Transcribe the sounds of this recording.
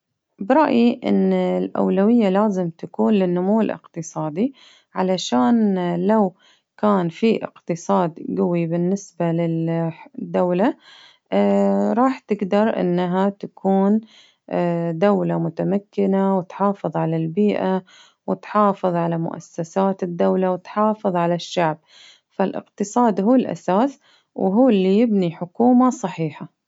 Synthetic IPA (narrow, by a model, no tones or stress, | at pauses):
bɾˤɑʔjiʔɪ̰nɪlʔa̰wlawɪjːalaːzɪmt̪akuːnlɪnːʊmuːɪlʔɪ̰qt̪ɨsˤɑːd̪i | ʕalaʃaːnlaw | kaːnfiʔɪ̰qt̪ɨsˤɑːd̪ɡʊwibɪnːɪsbalɪld̪ːawla | ɾˤɑːħt̪ɪɡd̪ɑɾˤʔɪ̰nːɦat̪akʰuːnː | d̪awlamʊt̪amakːɪnawɪt̪ħɑːfɨðˤʕalalbiːʔa | wɪt̪ħɑːfɨðˤʕalamʊ̰ʔa̰sːasaːt̪ɪd̪ːawlawɪt̪ħɑːfɨðˤʕalaʃːaʕb̚ | falʔɪ̰qt̪ɨsˤɑːd̪ɦuːlʔa̰saːs | wɦuːlːijɪbniħʊkuːmasˤɑħiːħa